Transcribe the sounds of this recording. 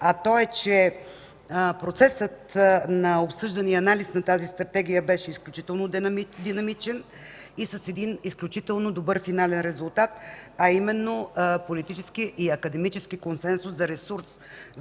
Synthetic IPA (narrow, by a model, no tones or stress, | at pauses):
ɐt̪ɔɛt͡ʃɛ | pɾot̪sɛsət̪nɐopsɤʒd̪ɐniɐnalisnɐt̪azist̪ɾɐt̪ɛɡ̟ijəbɛʃɛisklʲut͡ʃit̪ɛlˠnod̪mid̪inɐmit͡ʃɛn | isɐsɛd̪inisklʲut͡ʃit̪ɛlˠnod̪obɤɾfinalɛnɾɛzulˠt̪at̪̚ɐimɛnːopolit̪it͡ʃɛskiʔiɐkəd̪ɛmit͡ʃɛskikonsɛnsʊszɐɾɛsuɾs